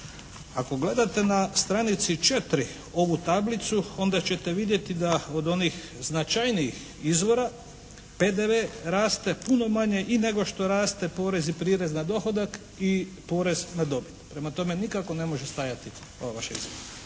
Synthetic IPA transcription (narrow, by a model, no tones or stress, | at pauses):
ako̞ɡle̞d̪at̪e̞nast̪ɾanit̪sit͡ʃe̞t̪ɾi | o̞ʋut̪ablit̪suo̞nd̪at͡ɕe̞t̪e̞ʋid̪je̞t̪id̪ao̞d̪o̞nix | znat͡ʃajniix | izʋo̞ɾa | pe̞d̪eʋeːɾaːst̪e̞puno̞maɲe̞ʔine̞ɡo̞ʃt̪o̞ɾaːst̪e̞po̞ːɾe̞zipɾiːɾeznad̪o̞xo̞d̪ak | i | po̞ːɾe̞znad̪o̞bit̪pɾe̞mat̪o̞menikako̞ne̞mo̞ʒest̪ajat̪i | o̞ʋaʋaʃeḭzʋoɾɾa